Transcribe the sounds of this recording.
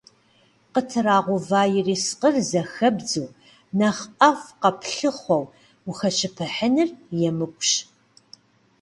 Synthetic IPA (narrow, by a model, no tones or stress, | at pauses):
qətʰɨraːʁʷʊvaːjɪriːsqərzɐxɐbd͡zuː | nɐχɐfqɐpɬɨχʷɔw | uxɐʃʰɨpʰɨħənɨrjɛmɨkʷʼɕ